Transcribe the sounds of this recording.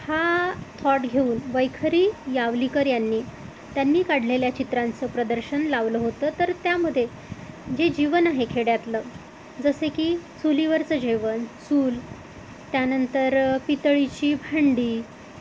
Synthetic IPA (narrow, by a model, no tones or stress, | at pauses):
hat̪ʰɔʈɡʱeuːnʋəjkʰəɾiːjaʋlikəɾjanːiː | t̪janːiːkaɽ̤leljat͡ɕit̪ɾant͡səːpɾəd̪əɾɕənlaʋləːɦot̪əːt̪əɾt̪jaməd̪ʱːje | d͡ʑed͡ʑiʋənaɦekʰeɽjat̪ləː | d͡zəsekiːt͡suliʋəɾt͡səd͡ʑiʋənsuːl | t̪janənt̪əɾpit̪əɭit͡ɕiːbʱaɳɖiː